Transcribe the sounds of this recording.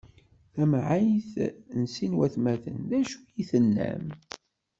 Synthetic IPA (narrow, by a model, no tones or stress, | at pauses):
θæmʕajθnsinwæθmæθə̰nðæʃujiθənːæ̰m